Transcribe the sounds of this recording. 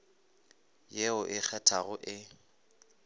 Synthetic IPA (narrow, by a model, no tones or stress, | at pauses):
jeʊʔɪk͡xʰɛtʰaɣʊʔɪ